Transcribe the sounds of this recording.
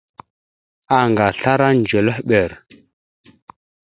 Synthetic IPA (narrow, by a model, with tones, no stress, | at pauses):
a˨ŋɡa˨ɬa˦ɾa˦nd͡ʒə˨lə˦hɓə˨ɾ